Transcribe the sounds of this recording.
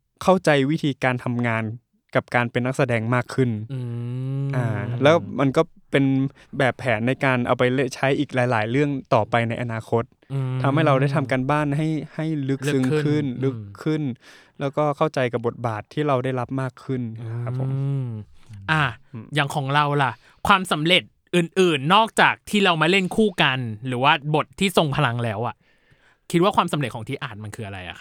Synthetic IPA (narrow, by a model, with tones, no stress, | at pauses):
kʰa˥˩wt͡ɕa˧jwi˦˥t̪ʰiː˧kaː˧nt̪ʰa˧mŋaː˧n | ka˨˩p̚kaː˧npe˧nːa˦˥k̚sa˧dɛː˧ŋmaː˥˩kʰːɯ˥˩n | ʔaː˧˩lɛː˦˥ma˧nkɔː˥˩ | pe˧n | bɛː˨˩pʰːɛː˩˦nːa˧jkaː˧nʔa̰˧wpa˧jle˦˥˩t͡ɕʰa˦˥jʔiː˨˩k̚laː˩˦jlaː˩˦jɾɯ˥˩əŋt̪ɔː˨˩pa˧jna˧jʔa˧naː˧kʰo˦˥t̪̚ʰːa˧mha˥˩jɾa˧wda˥˩jt̪ʰa˧mkaː˧nbaː˥˩nɦa˥˩jha˥˩jlɯ˦˥k̚sɯ˧ŋkʰɯ˥˩nlɯ˦˥kʰːɯ˥˩nlɛː˦˥wkɔː˥˩kʰa˥˩wt͡ɕa˧jka˨˩bo˨˩t̪̚baː˨˩t̪ʰːiː˥˩ɾa˧wdaː˥˩jɾa˦˥p̚maː˥˩kʰːɯ˥˩nʰa˦˥pʰːo̰˨˦m | ʔa˧˩jaː˨˩ŋkʰɔː˩˦ŋɾa˧wla˨˩ʔ | kʰwaː˧msa˩˦mɾe˨˩t̪̚ʔɯː˨˩nʔɯː˨˩nːɔː˥˩k̚t͡ɕaː˨˩k̚t̪ʰiː˥˩ɾa˧wmaː˥˩le˥˩nkʰuː˥˩ka˧nɾɯː˩˦waː˥˩bo˨˩t̪ʰːiː˥˩so˨˧˩ŋpʰa˧la˧ŋlɛː˦˥wʔa˨˩ʔ | kʰi˦˥t̪̚waː˥˩kwaː˧msa˩˦le˨˩t̪̚kʰɔː˩˦ŋt̪ʰiː˦˥˩ʔaː˨˩t̪̚ma˧nkʰɯː˧a˧ɾa˧jʔa̰˨˩kʰa˥